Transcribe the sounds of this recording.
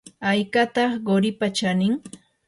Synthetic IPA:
ajkat̪ɑχɢoɾɪpat͡ʃanɪŋ

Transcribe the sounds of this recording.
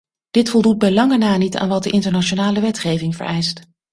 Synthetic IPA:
d̥ɪtfɔlˠdut̚bɛjlɑŋənaːnita̰ːnʋɑt̚dəʔɪntəɹnat͡ʃonaːləʋɛtχejvɪŋvə̰ɹʔɛjst

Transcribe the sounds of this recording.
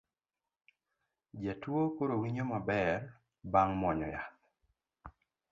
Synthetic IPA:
d͡ʒatwokoɾowiɲomabɛr | baŋmɔɲɔ̰ja

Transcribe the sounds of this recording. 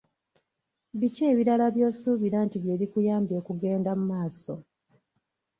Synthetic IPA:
βice̞ːβiɾalaβjo̞ːsuːβiɾantiβje̞ːɾikujaːmbjo̞ːkuɡe̞ːndamumaːso̞

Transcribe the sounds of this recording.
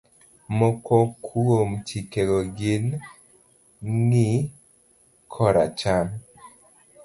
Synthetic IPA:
mɔkɔkʰuomt͡ʃikeɡɔɡɪn | ŋɪ | kʰɔɾa̰t͡ʃan

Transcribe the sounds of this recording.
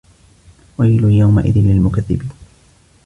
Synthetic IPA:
wajlʊjawma̰ʔɪ̰ðɪnlɪlmʊkaðːɪ̰biːn

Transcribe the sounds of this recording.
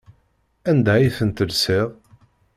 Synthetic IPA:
ænd̪æiθənt̪əlsɪʁˤ

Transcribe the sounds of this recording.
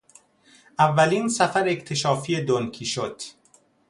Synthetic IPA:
ʔævːæliːnsæfæɾect̪ʰe̞ʃɒːfiːed̪onkʰiːʃod̪̥

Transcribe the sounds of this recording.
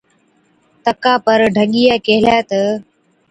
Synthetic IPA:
t̪əkãːpəɾɖʱəŋɠijaːkeɦɪlaːt̪ə

